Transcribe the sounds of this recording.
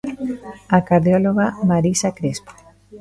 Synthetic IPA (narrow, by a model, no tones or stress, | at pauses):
akaɾðjoloɣamaɾisakɾespo̥